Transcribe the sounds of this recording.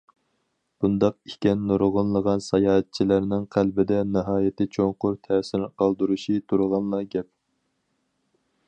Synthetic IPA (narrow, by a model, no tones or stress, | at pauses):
b̥und̪ɑq̚ikʲɛnːoɾʁʊnlˠəʁɑnsɑjɑːɦɛt̪̚t͡ʃʰilæɾnɪŋqʰælbɪd̪ɛnɨɦɑːjɪt̪ʰɪt͡ʃʰoŋqʊɾt̪ʰɛːsɪɾqʰɑlˠd̪uɾuʃit̪ʰuɾʁɑnlˠɑɡʲɛp̚